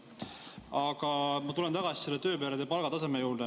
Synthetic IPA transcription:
ɑɡ̥ɑmɑt̪ule̞nt̪ɑɡ̥ɑsi̥selːet̪ø̞ːpeːɾed̪epɑlɡ̥ɑt̪ɑse̞mejuːɾd̪e

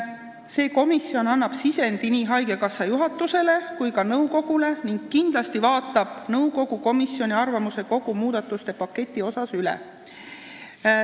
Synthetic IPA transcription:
se̞ːko̞misjo̞nɑnːɑb̥sise̞nd̪̥iniːɦɑjɡe̞kɑsɑjuɦɑt̪ːˑuse̞le̞kujkɑnɤwko̞ɡ̥ule̞niŋɡ̥̚kːind̪̥lɑst̪ivɑːt̪ːˑɑb̥nɤwɡo̞ɡ̥uko̞misjo̞nʲiɑrvɑmuse̞ko̞ɡ̥umuːd̪̥ɑt̪ːˑust̪e̞pɑkːe̞t̪ʲːˑio̞sɑsylɛ̰

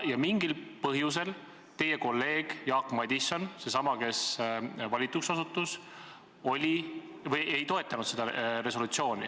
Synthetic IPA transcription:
jɑmiŋɡ̥ilpɤɦjus̬e̞l | t̪e̞je̞ko̞lːe̞ːɡ̥jɑːkmɑd̪̥ʲisːo̞nse̞sɑmɑke̞svɑlʲit̪ˑuksɑsut̪ːˑus | o̞lʲi | vɤje̞jt̪o̞e̞t̪ːˑɑnud̪̥se̞d̪̥ɑɾe̞so̞lut̪sio̞ːnʲḭ

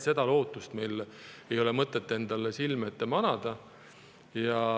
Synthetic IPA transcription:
se̞d̪̥ɑlo̞ːt̪ːˑust̪mejle̞jo̞lemɤt̪ːˑet̪ːˑe̞nd̪̥ɑlesilmet̪ːemɑnɑd̪̥ɑ | jɑ

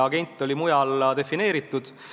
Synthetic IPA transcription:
ɑɡe̞nʲt̪ːˑo̞lʲimujɑld̪e̞fine̞ːɾit̪ːˑud̪̥

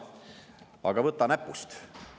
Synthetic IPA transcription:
ɑ̰ɡ̥ɑvɤt̪ːˑɑnæpːˑust̪

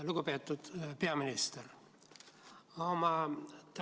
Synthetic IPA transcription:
luɡopet̪ːut̪peɑminist̪er | omɑt̪

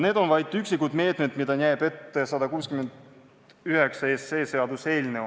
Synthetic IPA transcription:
ne̞ːd̪̥o̞nvɑjd̪̥yksikːud̪̥me̞ːt̪ˑmed̪mid̪̥ɑnʲæːb̥e̞t̪ːe̞sɑd̪ɑkuːskymend̪ | yɦe̞ksɑese̞ːse̞ɑd̪use̞ːlʲne

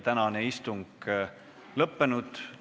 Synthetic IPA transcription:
t̪ænɑneist̪uŋɡ̥ | lɤpːe̞nud̪̥

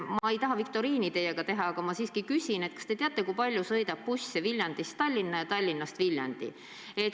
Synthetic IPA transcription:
mɑɑe̞jt̪ɑɦɑvikt̪o̞ɾiːnit̪e̞jeɡ̥ɑt̪e̞ɦɑɑɡ̥ɑmɑsiːskikysʲine̞t̪̚kɑ̥st̪e̞t̪eɑt̪ːˑe̞kujpɑlʲjusɤ̞jd̪ɑp̚pusʲsevilʲjɑnd̪̥ist̪t̪ɑlʲːinːɑjɑt̪ɑlʲːinːɑst̪vilʲjɑ̰nd̪̥ḭ | e̞t̪

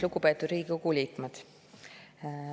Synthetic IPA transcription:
luɡupe̞ːt̪ːˑud̪ɾiːɡikukulʲiːt̪med̪̥

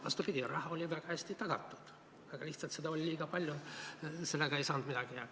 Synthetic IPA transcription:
vɑ̰st̪upid̪ʲiɾɑhɑo̞lʲivæɡ̥ɑæsʲt̪it̪ɑɡ̥ɑ̰t̪ːˑu̥d̪̥ | ɑɡ̥ɑliht̪sɑlt̪sed̪ɑo̞lʲlʲiːɡ̥ɑpɑlʲjuse̞lːeɡ̥ɑejsɑːnd̪mid̪ɑɡ̥iɑ

